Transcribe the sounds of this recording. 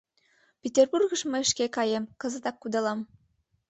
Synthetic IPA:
pʲetʲerburɣə̆ʃmɤeʃkekɑjemkɤ̆zə̆t̪ɑkːud̪ɑlɑm

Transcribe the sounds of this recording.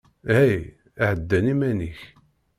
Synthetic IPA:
hæj | aʕəd̪ːænimæniç

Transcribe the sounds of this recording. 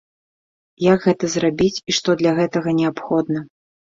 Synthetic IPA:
jaɡɣɛt̪ɐzrabʲit͡sʲiʂt̪ɔd̪lʲɐɣɛt̪ɐɣɐnʲɛapxɔd̪nɐ

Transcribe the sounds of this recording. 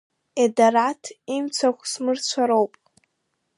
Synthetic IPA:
edaɾatʰimt͡sʷʰakʷʰsmɨrt͡ɕʷʰaɾowpʼ

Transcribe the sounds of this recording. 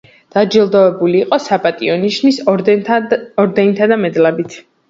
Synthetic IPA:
d̪̥ad͡ʒilˠd̪ɔɛbuliːqʼɔsapʼat̪ʼiɔniʃnis | ɔɾd̪ɛnit̪ʰad̪amɛd̪labit̪ʰ

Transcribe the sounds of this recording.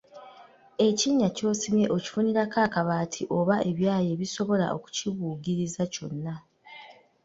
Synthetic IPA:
e̞ciɲːaco̞ːsime̞ʔoci̥funiɾakaːkaβaːtʰiʔo̞βae̞βjaːje̞βiso̞βo̞la̰o̞̰ku̥ciβuːɡiɾizaco̞̰nːa

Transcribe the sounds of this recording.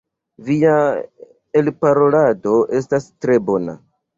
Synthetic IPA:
via | elpaɾo̞lado̞e̞stastɾe̞bo̞na̰

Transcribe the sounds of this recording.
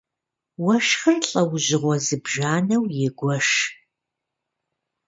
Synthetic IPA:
wɐʃxɨrɬʼɐwʑɪʁʷɔzɨbʒaːnɐwjɪɡʷɔʃ

